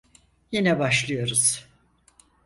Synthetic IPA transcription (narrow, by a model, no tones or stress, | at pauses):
jinɛbaʃlˠɯjo̞ɾuz̥